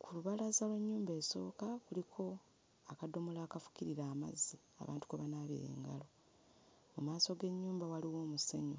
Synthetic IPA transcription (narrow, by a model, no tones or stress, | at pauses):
kʰuluβalazalweɲːuːmbe̞ːso̞̰ːkakulikʰo̞ | akado̞mulaːkafu̥ciɾiɾaːma̰zːi | a̰βa̰ːntu̥kuβanaβḭɾe̞̰ːŋɡa̰lo̞ | mumaːso̞ɡe̞ɲːuːmbawaliwo̞ːmuseɲo